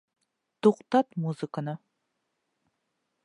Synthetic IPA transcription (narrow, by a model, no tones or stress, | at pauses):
t̪oqt̪ɑt̪muzɨkənə